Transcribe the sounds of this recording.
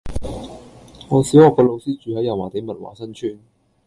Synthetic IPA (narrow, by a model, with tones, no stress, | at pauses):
ŋɔː˨˧siː˨˥whɔː˨kːɔː˧lo˨˧wsiː˥t͡ʃyː˨hɐ˨˥jɐ˨˩waː˨˩t̪e˨˥jmɐ˨t̚wa̰ː˨˩sɐ˥nt͡ʃʰyː˥n